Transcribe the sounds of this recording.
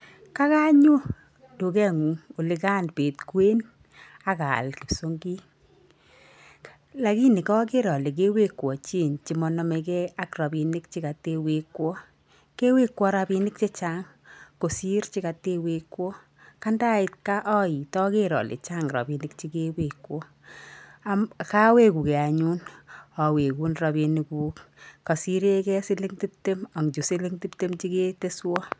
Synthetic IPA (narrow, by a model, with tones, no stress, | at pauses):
ka˦ka˦ɲo˦ | du˨kɛ˦ŋu˨o˨lɪ˨˦ka˦˨npe˨tkwe˦n | a˦ka̰˨lki˨so˦ŋɡi˦ | la˨ki˦ni˨kɔ˦k̬e˦ɾɔ˨le˨k̬e˦we˦kːwɔ˨t͡ʃi˦˨nt͡ʃi˨mɔ˨nɔ˦me˧kɛ˦a˦krɔ˨bi˨nɪ˦k̚t͡ʃɪ˦ka˨te˦we˨kwɔ˦ | ke˦we˦kwɔ˦ɾa˧bi˦nɪ˦k̚t͡ʃe˦t͡ʃa˦ŋ | ko˨si˦rt͡ʃi˦ka˨te˦we˧kwɔ˦ | ka˦nda˦ɪ˧t̚ka˦ʔɔ˦i˨tɔ˦ke˦ɾɔ̰˨lḛ˨t͡ʃa˦ŋɾa̰˨bi˨nɪ˦k̚t͡ʃi˦ke˦we˨kwɔ˦ | a˦mka˦we˦ku˨kɛ˨a˨ɲu˦nɔ˨we˨ku˦nra˨bi˧ni˦kuː˦kka˨si˦ɾe˦kɛ˦si˦li˦ŋti˦p̚te˦ma˨ŋd͡ʒu˨si˦li˦ŋti˦pte˦mt͡ʃi˦ke˦te˦swɔ˦